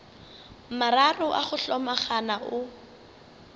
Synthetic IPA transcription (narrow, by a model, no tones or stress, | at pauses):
mararʊʔa̰χʊɬɔmaχanaʔʊ